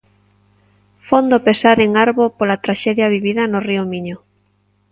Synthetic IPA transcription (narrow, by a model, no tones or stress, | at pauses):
fond̪opesaɾeŋaɾβopolat̪ɾaʃɛðjaβiβiðɐnoriomiɲo